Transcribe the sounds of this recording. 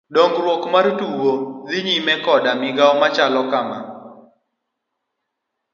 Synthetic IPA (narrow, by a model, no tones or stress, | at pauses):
ɗoŋɡɾwokmartuwoðɪɲimɛkɔɗamɪɡaɔmat͡ʃalɔkama̰